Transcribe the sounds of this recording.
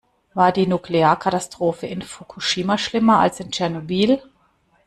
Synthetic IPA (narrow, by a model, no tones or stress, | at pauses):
vaːɐdiːnukleaːɐkʰatastʁ̥oːfəɪnfokʰuʃiːmaʃlɪmɐa̰lsɪnt͡ʃɛɐnobiːl